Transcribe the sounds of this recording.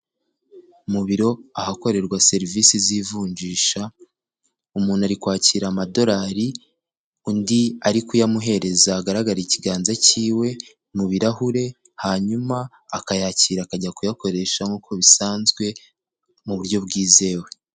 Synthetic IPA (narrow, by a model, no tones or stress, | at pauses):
umuβiɾo̞ahako̞ɾe̞ɾɡwase̞ɾiviːsizivuːɲd͡ʒiːʃa | umuːnhaɾikwaːciɾamado̞ɾaːɾi | undiaɾikujamuɦe̞ɾe̞zaːɡaɾaɡaɾiciɡaːnzaciːwe̞ | muβiɾahuɾe̞ | haːɲumaː | kajaːciːɾakaɟakujako̞ɾe̞ʃaŋuːkʰo̞βisaːnzɡwe̞ | muβuɾjo̞bɡiːze̞ːwe